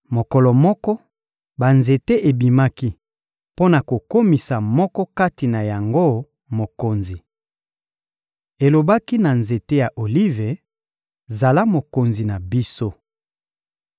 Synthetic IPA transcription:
mo˨kɔ˨lɔ˨mɔ˦kɔ˦ | ba˨nze˨te˦ʔe˨bi˨ma˦ki˦ | po˦na˨ko˨ko˦mi˨sa˨mɔ˦kɔ˦ka˦ti˨na˨ja˨ŋɡo˦ | mo˨ko˨nzi˨ | e˨lo˨ba˦ki˦na˨nze˨te˦ja˨ʔo˨li˦ve˨ | za˨la˦mo˨ko˨nzi˨na˨bi˦so˦

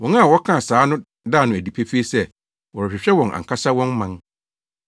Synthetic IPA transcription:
wɔ̃˨n˦a˦˨wɔ˦kʰã˦˨saː˨˦nʊ̃˦ | daː˦˨nʊ̃˨æ˨di˨pʰe˦fi˦e˦sɛ˦ | wɔ˨ɾɔ˨ɕᶣɪ˨ɕᶣɛ˦wɔ̃˨ŋa̰˨ŋ̩˨kʰa˦sa˦wɔ̃˦nmã˦n

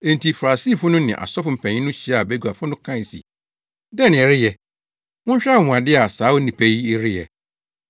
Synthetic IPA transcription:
ɛ̃˨ntʰi˨fa˨ɾa˨si˦˨fʊ̃˦nʊ̃˦nɪ̃˨ʔa̰˨sɔ˦fʊ˨m̩˨pʰɛ̃˨ɲĩ˦nʊ̃˦ɕi˦a˨bɛ˦ɡu˨a˨fʊ˦nʊ̃˦kʰã˦˨sḭ˨ | dɛ˦˨nɪ̃˨ɛ˨ɾɪ˦jɛ˨ | wʊ̃˦ɲ̩˦ɕᶣa˦˨mʊ̃˨a˨dɪ˦a˨saː˨˦wʊ˦nĩ˨pʰɛ˦ji˦ɪ˦ɾɪ˦jɛ̰˨

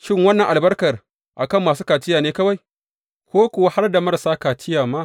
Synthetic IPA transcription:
ʃɪ˦ŋwɐ˦nːɐ˨ŋʔa˨lbɐ˦rkɐ˨r | ʔa˨kɐ˦˨mːaː˨suː˦kaː˨tɪ˦jaː˨neː˦kɐ˦wa˨j | kʷoː˦kʷʊ˨wa˦ha˦rda˨mɐ˦rsaː˦kaː˨tɪ˦jaː˨maː˦

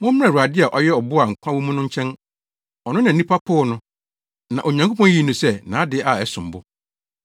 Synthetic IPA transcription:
mʊ̃˦m̩̃˦ã˦˨ɾu˨a˨dɪ˦a˨ʔɔ˦jɛ˦ɔ˨bʊ˦a˨ŋ̩˨kʷʰã˦wu˦mũ˦nʊ̃˦ɲ̩˦t͡ɕʰɛ̃˦n | ɔ˨nʊ̃˦nã˨˦ĩ˦pʰa˦kʰʊː˦˨nʊ̃˦ | nã˨ʔo˨ɲã˨ŋkʰo˦pʰɔ̃˦n˦ji˦˨nʊ̃˨sɛ˦˨nãː˨˦dɪ˦a˨ɛ˦sʊ̃˨m˨bʊ˦

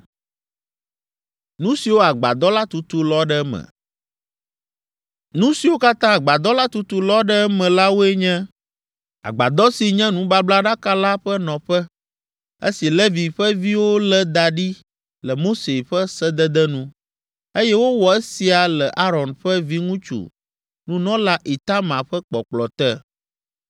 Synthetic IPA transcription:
nũ˦si˨wo˦a˨ɡ͡ba̰˨d̪ɔ˦la˦t̪u˦t̪u˦lɔ˦ɖɛ˦mɛ̰̃˨ | nũ˦si˨wo˦ka˦t̪ã˦a˨ɡ͡ba˨d̪ɔ˦la˦t̪u˦t̪u˦lɔ˦ɖɛ˦mɛ̃˨la˦wo˦e˦ɲɛ̃˦ | a̰˨ɡ͡ba̰˨d̪ɔ˦si˨ɲɛ̃˦nũ˦ba˦bla˦ɖa˦ka˦la˦ɸɛ˦nɔ̃˨ɸɛ˦ | ḛ˦si˨le˦vi˨ɸɛ˦vi˦wo˦lɛ˦d̪a˨ɖi˦ | lɛ˨mo˦se˨ɸɛ˦sɛ˦d̪ɛ˦d̪ɛ˦nũ˦ | e˦jɛ˦wo˦wɔ˨ɛ˦si˨a˨lɛ˨ʔa˦ɾɔ˨nɸɛ˦vi˦ŋũ˦t͡ʃṵ˨ | nũ˦nɔ̃˦la˦ʔi˨t̪a˦mã˨ɸɛ˦k͡pɔ̰˨k͡plɔ˨t̪ɛ˦

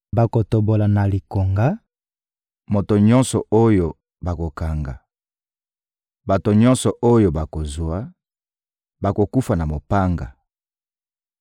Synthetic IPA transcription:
ba˨ko˨to˨bo˨la˨na˨li˨ko˨ŋɡa˦ | mo˨to˨ɲɔ˦nsɔ˨o˦jo˨ | ba˨ko˨ka˨ŋɡa̰˨ | ba˨to˨ɲɔ˦nsɔ˨ʔo˦jo˨ba˨ko˨zwa˦ | ba˨ko˨ku˦fa˨na˨mo˨pa˦ŋɡa̰˨

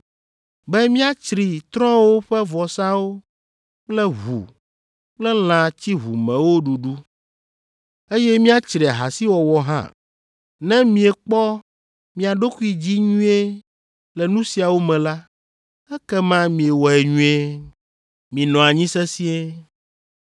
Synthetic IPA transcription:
bɛ˦mĩ˦a˨t͡ʃɾi˨t̪ɾɔ̃˦wo˦ɸɛ˦vɔ˨sa˦wo˦ | k͡plɛ˦ɦṵ˨ | k͡plɛ˦l̃ã˨t͡ɕi˦ɦṵ˨mɛ̃˨wo˦ɖu˨ɖu˦ | e˦jɛ˦mĩ˦a˨t͡ʃɾi˨a˨ɦa̰˨si˦wɔ˨wɔ˨ɦã̰˦˨ | nɛ̃˦mĩ˨e˨k͡pɔ˦ | mĩ˨a˨ɖo˦ku˦i˨d͡ʑi˦ɲũ˦e˦ | lɛ˨nũ˦si˨a˨wo˦mɛ̃˨la˦ | ɛ˦kɛ˦mã˦mĩ˨e˨wɔ˨ɛ˨ɲũ˦e˦ | mĩ˨nɔ̃˨a˨ɲĩ˦sɛ˦si˦e˦

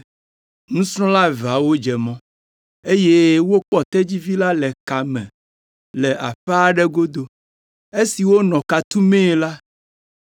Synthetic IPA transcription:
nũ˦sɾ̃ɔ̃˦la˦va˨wo˦d͡ʒɛ˨mɔ̃˦ | e˦je˦wo˦k͡pɔ˦t̪ɛ˦d͡ʑi˦vi˦la˦lɛ˨ka˨mɛ̰̃˨ | lɛ˨ʔa̰˨ɸɛ˦a˦ɖɛ˦ɡo˦d̪o˨ | e˦si˨wo˦nɔ̃˨ka˨t̪u˦mẽ˦˨la˦

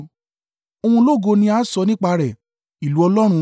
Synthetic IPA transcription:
o˧hũ˧˦lo˦˨ɡo˧nĩ˧a˨˦sɔ˧˦nĩ˦k͡pa˧ɾɛ˨ | i˨lu˨˦ɔ˧lɔ˦ɾ̃ũ˧

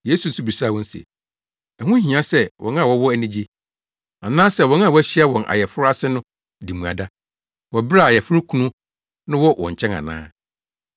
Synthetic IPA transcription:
je˦su˨n˦su˦bi˨saː˦˨wɔ̃˦n̩˦sḛ˨ | æ˨hʊ̃˦ɦĩ˨ã˦sɛ˦wʔɔ̰̃˨nã˦˨wɔ˦wɔ˦æ˦nĩ˦d͡ʑi˦ | a˨nãː˦sɛ˦˨wɔ̃˨˦n˦ã˨wɔ˦ɕi˦a˦wɔ̃˨nʔa̰˨jɛ˨fʊ˦ɾa˦sɪ˦nʊ̃˦ | di˨mũ˨a̰˨da˦ | wɔ˨bɪ˦ɾa˦˨jɛ˨fʊ˦ɾu˦kʰũ˦nʊ̃˦ | nʊ̃˦wɔ˦wɔ̰̃˨ɲ˨t͡ɕʰɛ̃˦nã̰˨nã̰ː˦

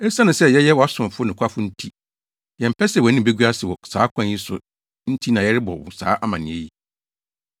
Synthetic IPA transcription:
ɛ˦sa˦nʊ̃˨sɛ˦jɛ˦jɛ˦wɔ˨a˦sʊ̃˨m˨fʊ˦nɪ̃˨kʷʰa˦fʊ˦n̩˦tʰi˦ | jɛ̃˨m̩˨pʰɛ˦sɛ˨wɔ˨nɪ̃˦˨be˦ɡɥa˦sɪ˨wɔ˨saː˨˦kʷʰã˦˨n˨ji˦sʊ̰˨ | n̩˦tʰi˦nã˨jɛ˦ɾɪ˦bɔ̰˨wʊ̰̃˨sa̰ː˨˦ʔa˦mã˨nɪ̃˨e˦ji˨

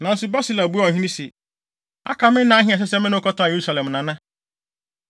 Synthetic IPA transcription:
nã˨n̩˦sʊ˦ba˦si˦la˨bu˦a˦ɔ˨ɦĩ˦ĩ˦si˨ | a̰˦ka˦mɪ̃˦nã˦ɦĩ˦a˨s̬ɛ˦sɛ˦mɪ̃˦nʊ̃˦kɔ˦tʰã˦a˨je˨ɾu˦sa˨lɛ̃˨mnã˨nã˦

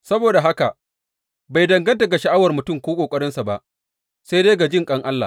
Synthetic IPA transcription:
sɐ˦boː˨da˨ɦa˦ka˨ | ba˨jdɐ˨ŋɡɐ˦ntɐ˨ɡa˨ʃa˨ʔa˦wɐ˨rmʊ˨tʊ˦˨mkʷoː˦kʼoː˨kʼɐ˦ɽɪ˦nsa˨ba˦ʔ | sa˦jdeː˦ɡa˨d͡ʒɪ˦ŋkʼɐ˦ŋʔa˦lːa̰˨

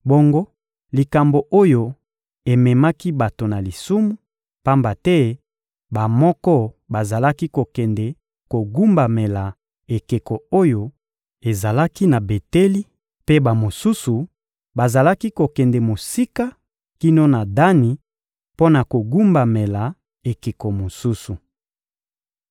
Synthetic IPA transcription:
bo˦ŋɡo˦ | li˨ka˨mbo˨ʔo˦jo˦ | e˨mɛ˨ma˦ki˦ba˨to˨na˨li˨su˦mu˦ | pa˦mba˨tɛ˦ | ba˨mɔ˦kɔ˦ | ba˨za˨la˦ki˦ko˨kɛ˨ndɛ˨ | ko˨ɡu˦mba˨me˨la˨ | e˨ke˨kɔ˨o˦jo˨ | e˨za˨la˦ki˦na˨be˨te˦li˦ | pe˦ba˨mo˨su˦su˨ | ba˨za˨la˦ki˦ko˨kɛ˨ndɛ˨mo˨si˦ka˦ | ki˦no˦na˨da˦ni˨ | po˦na˨ko˨ɡu˦mba˨me˨la˨ | e˨ke˨kɔ˨mo˨su˦su˨

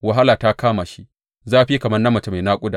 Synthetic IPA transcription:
wɐ˨ɦa˦laː˨ta˦kaː˦ma˨ʃi˦ʔ | zaː˦ʔa˨ɸi˦kɐ˨mɐ˦rnɐ˦mːɐ˨t͡ʃa˦ma˨jnaː˦kʷʼʊ˦daː˨

